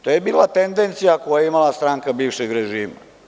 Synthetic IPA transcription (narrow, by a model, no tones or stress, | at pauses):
t̪oːjebiːlat̪end̪ent̪sijakojajeimalast̪ɾaːŋkabiːʋʃeɡɾeʒiːma̰